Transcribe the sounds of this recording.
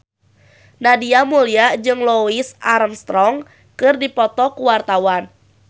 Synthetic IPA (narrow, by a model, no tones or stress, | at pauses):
nadiamuliaʔd͡ʒɨŋloisaɾəmst̪ɾɔŋ | kɨrdipɔt̪ɔkuwart̪awan